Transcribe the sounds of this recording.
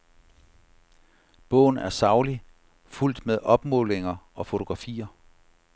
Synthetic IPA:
b̥ɔ̰̽ːn̩æɐsɑ̈ʊli | ful̰d̥meðˠɒ̽b̥mɔ̰ːle̝ŋɐʔɒ̽fo̝t͡sʰo̝ɡ̥ʁɑ̈fḭːɐ

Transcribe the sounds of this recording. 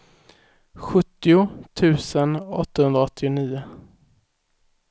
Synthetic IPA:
ɧɵt̪ːɪʊt̪ʰʉ̟ːsənɔt̪ːahɵnd̪ɾaɔt̪ʰːɪʊniːʊ

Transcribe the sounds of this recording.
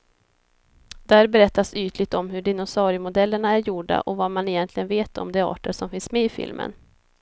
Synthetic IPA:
d̪̥æːɾbɛɾɛt̪ːasyːt̪lɪt̪ɔmɦɵɖɪnʊsɑːɾɪmʊd̪ɛlːəɳaæɾjuɖa̰ʔɔvamanɪjɛnt̪lɪɡənveːt̪ʰɔ̰md̪ɛɑ̰ːʈəʂɔmfɪnsmeːɪfɪ̰lmʔə̰n

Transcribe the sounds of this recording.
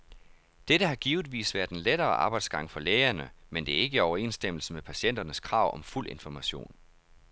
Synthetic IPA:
d̥eɾəɦɑ̈ɡ̥iːʊð̩ˠʋḭːsʋæɐd̥enleɾɐːʔɑ̈ːb̥ɑ̈ɪd̥sɡ̥ɑ̈ŋ̰fɒ̽leːɐnəmend̥e̝æɐe̝ɡ̥əɒʊɐe̝̰ːnsd̥em̰l̩səmepʰæɕen̰d̥ɐnəskʰʁɑ̈ʊ̰ʔɒ̽mful̰ʔe̝nfɒmæɕo̝̰ːn

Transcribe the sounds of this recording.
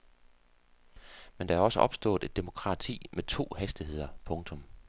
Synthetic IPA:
mend̥ɑæɐɒ̽səʔɒ̽b̥sd̥ɔ̰̽ːð̩ˠe̝d̥e̝mo̝kʰʁɑ̈t͡sʰḭːmet͡sʰo̝̰ːhæsd̥iɦe̝ð̞̰ˠɐpʰɔ̽ŋt͡sʰɔ̽m

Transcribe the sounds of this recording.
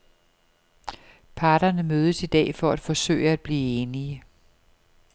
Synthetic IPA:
pʰɑ̈ːɾ̥ɐnəmøːð̞ˠəsid̥ɛ̰ːfɒ̽æd̥fɒ̽sø̰ːɪəæd̥̚b̥liːeːniə

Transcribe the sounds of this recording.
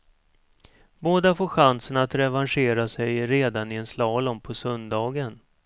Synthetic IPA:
boːd̪afoːɧansənat̪ɾɛvanʂeːɾasɛjɾeːd̪anɪɛnslɑːlɔmpʰɔsœnd̪ɑːɡən

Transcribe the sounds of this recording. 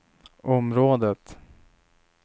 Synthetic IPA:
ʔɔmɾoːd̪ət̪

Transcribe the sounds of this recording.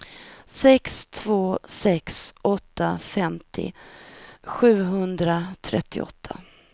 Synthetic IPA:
sɛkst̪ʰvoːsɛksʔɔt̪ːafɛmt̪ʰɪ̰ | ɧʉ̟ːɦɵnd̪ɾat̪ʰɾɛ̰t̪ʰːɪ̰ʔɔ̰t̪ʰːa

